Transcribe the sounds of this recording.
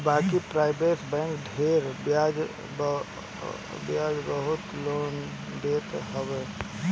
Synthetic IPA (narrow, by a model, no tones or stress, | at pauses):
baːkipɾaɪbeʈbɛ̃ŋkɖʱeɾbjad͡ʒ | bjad͡ʒbəɦut̪lon | d̪et̪ɦəbɛ